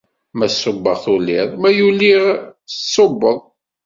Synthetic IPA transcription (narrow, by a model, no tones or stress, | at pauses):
mæsːʊbːəʁθuliʁˤmæjuliʁəsːobːəðˤ